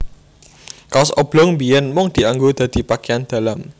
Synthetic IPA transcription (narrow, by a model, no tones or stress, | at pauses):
kasɔb̥lɔŋbiɛnmʊŋd̪̥i̤aŋɡod̪̥ä̤d̪̥i̤pakeand̪̥a̤lam